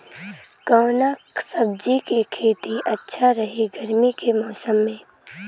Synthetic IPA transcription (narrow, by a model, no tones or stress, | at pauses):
kaːnaksɐb̚d͡ʒikekʰeːt̪iʔɐtːʃʰaɾɐɦeɡɐɾmikemɔːsəmːẽː